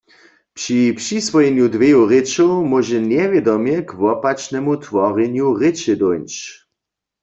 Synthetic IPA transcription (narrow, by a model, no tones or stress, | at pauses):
pʂipʃisʋɔjɛnjudʋejoʁɪt͡ʃowmɔʒɛnjɛvjɛdɔmjɛkʋɔpat͡ʃnɛmut̪ʋɔʁɛnjuʁɪt͡ʃɛd̪ɔjnt͡ʃ